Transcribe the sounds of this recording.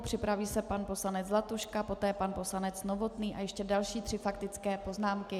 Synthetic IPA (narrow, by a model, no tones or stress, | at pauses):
pr̝̥ɪpɾaviːsɛpanpo̞slanɛd͡zzlat̪uʃkapo̞t̪ɛːpanpo̞slanɛt͡snovo̞t̪niːʔa̰jɛʃcɛdalʃiːt̪r̥ɪfakt̪ɪt͡skɛːpo̞znaːmkɪ